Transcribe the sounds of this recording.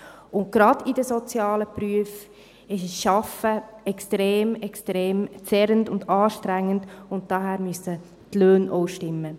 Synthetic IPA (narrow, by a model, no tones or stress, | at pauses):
ʊnt̚ɡ̥ɾɑdidəsɔt͡sjɑːləpɾyəf | ɪʃəsʃɑfəɛkstɾeːmɛkstɾeːmt͡sɛɾəndʊndɑːʃtɾæŋːənd̥ʊnt̚d̥ɑːɦæːɾmysə | tløːnʔoʊʃtɪmːə